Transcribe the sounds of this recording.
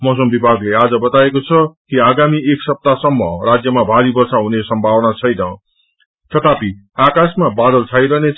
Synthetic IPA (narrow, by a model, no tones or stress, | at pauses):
mʌs̬ʌmbibʱaɡlead͡zʌbʌt̪aekot͡sʰʌkiaɡamieksʌp̚t̪asʌmːʌrad͡zjʌmabʱaɾibʌrsaɦunesʌmbʱawʌnat͡sʰʌjnʌ | t̪ʌt̪ʰapi | akasmabad̪ʌlt͡sʰajɾʌne